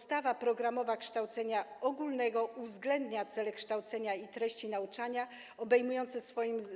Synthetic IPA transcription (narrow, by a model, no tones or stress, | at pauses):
st̪avapɾɔɡɾamɔvakʂt̪awt̪sɛɲaɔɡulnɛɡɔuvzɡlɛnd̪ɲat̪sɛlɛkʂt̪awt̪sɛɲait̪ɾɛɕt͡ɕinaut͡ʂaɲa | ɔbɛjmujɔnt̪sɛsfɔjim